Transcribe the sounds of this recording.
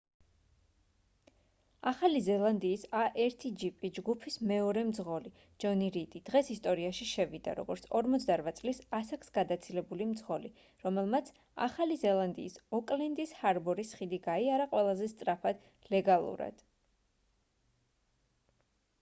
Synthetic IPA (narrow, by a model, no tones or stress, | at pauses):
aχalizɛlˠand̪iːsaʔɛɾt̪ʰid͡ʒipʼid͡ʒɡupʰismɛɔɾɛmd̪zʁɔli | d͡ʒɔniɾit̪ʼid̪̥ʁɛsist̪ʼɔɾiaʃiʃɛvid̪a̰ɾɔ̰ɡɔɾt̪sʰɔɾmɔt̪sʰd̪aɾvat̪sʼlisasaksɡ̥ad̪at̪sʰilɛbulimd̪zʁɔli | ɾɔmɛlˠmat̪sʰ | a̰χalizɛlˠand̪ḭːsɔkʼlɛnd̪ishaɾbɔɾisχid̪iɡaiaɾaqʼwɛlˠazɛst̪ʼɾapʰad̪ | lɛɡalˠṵɾa̰d̪̥